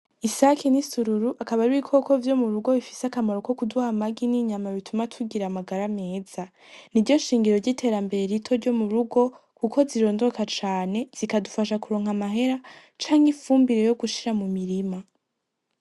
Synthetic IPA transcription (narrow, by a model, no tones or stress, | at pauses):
isakʰinisuɾuɾuʔakaβaɾuikʰo̞ko̞vjo̞muɾuɡo̞βifi̥seakamoɾo̞ko̞kuduhamaɡiniɲamaβitʰumatʰuɡiɾamaɡaɾame̞ːz̥a | niɾɟo̞ʃiːŋɡiɾo̞ɾɟitʰe̞ɾambe̞ɾe̞ɾitʰo̞ɾɟo̞muɾuɡo̞ | kuko̞ziɾo̞ːndo̞kat͡ʃaːne̞z̥ikadufaʃakuɾo̞ːŋ̥amaɦe̞ɾa | t͡ʃaːŋɡifuːmbiɾe̞jo̞ɡuʃiɾamumiɾima